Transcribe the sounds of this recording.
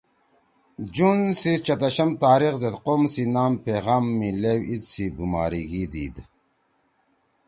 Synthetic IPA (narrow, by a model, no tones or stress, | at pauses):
d͡ʑunsit͡ɕɐt̪ɐɕɐmt̪aːɾixzet̪qomsinaːmpeɣaːmːilewit̪sibuma̰ːɾiɡid̪iːd̪